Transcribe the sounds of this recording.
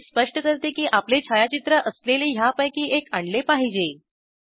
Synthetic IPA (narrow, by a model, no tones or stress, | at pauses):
spəʂʈəkəɾt̪ekiːʔaplet͡ɕʰajat͡ɕit̪ɾəʔəsleleɦjapəjkiːʔekaɳɖlepaɦid͡ʑe